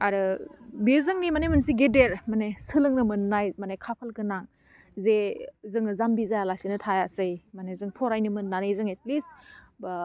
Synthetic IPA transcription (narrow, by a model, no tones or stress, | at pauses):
aɾɯbizɯŋnimanemɯnsiɡedeɾmanesɯlɯŋnɯmɯnːajmanekʰapʰalkɯnaŋ | zezɯŋɯzambizajalasinɯtʰajasɯjmanezɯŋpʰɔɾajnɯmɯnːanɯjzɯŋet̚lis | ba